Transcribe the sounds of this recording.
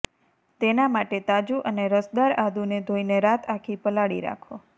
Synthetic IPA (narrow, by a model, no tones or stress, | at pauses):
t̪enamaʈet̪ad͡ʒuʔəneɾəsd̪aɾad̪ʱuned̪ʱoineɾat̪ʰakʰipəlaɽḭɾa̰kʰo